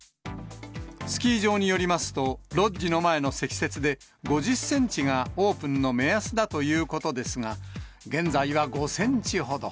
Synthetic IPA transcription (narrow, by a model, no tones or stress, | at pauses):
sɨ̥kʲiːʑo̞ːɲ̟ijo̞ɾʲimasɨ̥t̪o̞ɾo̞ino̞mae̞no̞se̞kʲi̥se̞t͡sɨd̪e̞ | ɡo̞ʑɨsːẽ̞ɲ̟t͡ɕiɡao̞ːpɯ̟̃nːo̞me̞asɨd̪at̪o̞jɯ̟ːko̞t̪o̞d̪e̞sɨŋaɡẽ̞nd͡zaiβaɡo̞sẽ̞ɲ̟t͡ɕihɦo̞d̪o̞